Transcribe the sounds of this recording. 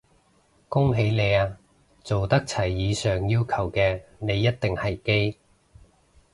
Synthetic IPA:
kʊ˥ŋɦe˨˥jne˨˧jaː˧ | t͡so˨wt̪ɐ˥k̚t͡sʰɐ˨˩jːiː˨˧sœː˨ŋjiː˥wkʰɐ˨˩wkɛː˧ne˨˧jːɐ˥t̚t̪ɪ˨ŋhɐ˨jke˥j

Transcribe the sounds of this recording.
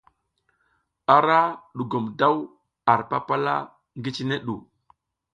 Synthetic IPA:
a˨ɾa˦ɗu˨ɡo˨mda˦w | a˨ɾpa˦pa˦la̰˦ | ŋɡi˦t͡ʃne˦ɗṵ˨

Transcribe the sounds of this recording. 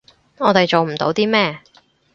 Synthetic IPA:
ɔː˨˧t̪e˨jt͡ʃo˨wm̩˨˩t̪o̰˧˥wt̪iː˥mɛː˥

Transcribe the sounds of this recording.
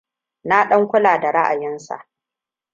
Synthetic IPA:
na˦ɗɐ˦ŋkʷʊ˦laː˨da˨ɽa˦ʔa˨jɪ˦nsa̰˨ʔ

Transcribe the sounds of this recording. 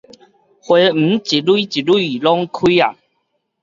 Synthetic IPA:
hwe˨˦m̩˨˩˦t͡ɕi˨lwu˦t͡ɕi˨lu˦˥˦lɔ˦ŋkʰi˦a̰˨

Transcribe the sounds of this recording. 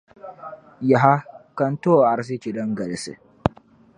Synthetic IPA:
ja˨ɦa˦kɐ˦nto˦˨ʔa˨ɾs̬i˦t͡ʃi˨dɐ˦ŋɡɐ˨ɽɪ˦sḭ˨

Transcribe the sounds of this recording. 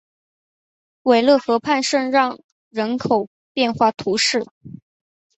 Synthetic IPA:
we˨˩ɪlɤ˥˩xɤ˧˥pʰa˥˧nʂə˥˧nɻɑ˥˩ŋ | ɻə˧˥nkʰo˨˩ʊ | pjɛ˥˧nxwa˥˩t̪ʰu˧˥ʂɻ̩˥˩

